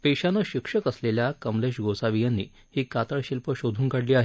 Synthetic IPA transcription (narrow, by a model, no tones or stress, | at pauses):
peɕanəɕikʂəkəsleljakəmleʂɡʱosaʋijanːḭː | hiːkat̪əɭɕilpəɕod̪ʱuːnkaɽliːaɦe